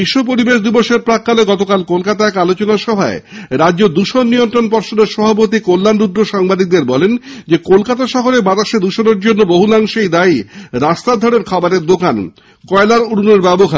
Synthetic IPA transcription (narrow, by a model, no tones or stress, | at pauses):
biʃːop̬oɾibeʃd̪iboʃeɾpɾakːaleɡɔt̪okalkolkat̪aɛkalot͡ɕonaʃɔbʱaeɾadd͡ʑod̪uʃonːijont̪ɾonpɔɾʃoneɾʃɔbʱapot̪ikolːanɖud̪ɾoʃaŋbad̪ik̚d̪eɾbɔlend͡ʑekolkat̪̬aʃɔɦoɾebat̪aʃed̪uʃoneɾd͡ʑonːoboɦulaŋʃejd̪ajɾast̪ad̪ʱɔɽeɾkʰɔbaɾeɾd̪okan | kɔelaɾuɽuneɾbɛboɦa